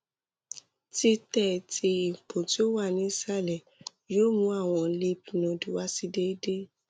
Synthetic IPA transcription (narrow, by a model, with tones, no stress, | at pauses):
ti˧tɛ˦˨tʰi˧i˨põ˨ti˦o˦wa˦˨nĩ˨˦sa˦lɛ˨ | joː˦˨mũ˨˦a˦˨w̃ɔ̃˧˦li˧˦pi˨nɔ̃˨du˨wa˦si˧de˦i˦de˦